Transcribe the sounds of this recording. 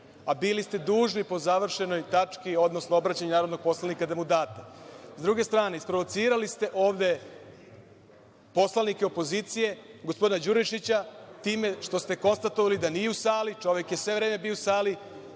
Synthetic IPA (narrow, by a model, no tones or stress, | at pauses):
abilist̪e̞d̪uːʒnipo̞zaʋr̩ʃe̞no̞jt̪at͡ʃkio̞d̪no̞snoobɾat͡ɕaɲenaːɾod̪no̞ɡ̚po̞slalnikad̪emud̪aːt̪azd̪ɾuɡe̞st̪ɾaːne̞ispɾoʋo̞t̪siːɾalist̪e̞ʔo̞ːʋd̪e̞ | po̞slˠanikeo̞po̞ziːt̪sije̞ɡospo̞d̪inad͡ʑuɾiʃit͡ɕat̪iːme̞ʃt̪o̞st̪e̞ko̞nst̪at̪oʋalid̪aniːjeusaːlit͡ʃo̞ʋje̞kjesʋe̞ʋɾe̞ːme̞biousaːli